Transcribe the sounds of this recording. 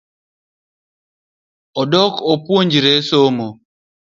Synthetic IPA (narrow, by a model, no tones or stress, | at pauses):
ɔdɔkɔpwoɲd͡ʒiɾesomo